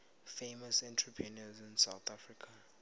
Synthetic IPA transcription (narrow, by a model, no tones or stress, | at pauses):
femasɛ̃ntʰɹipʰinɔzĩnsawθafrikʰa